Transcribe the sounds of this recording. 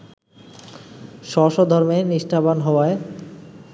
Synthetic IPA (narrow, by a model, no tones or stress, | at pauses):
ʃɔʃɔd̪ʱɔɾmeniʃʈʰabanɦɔoae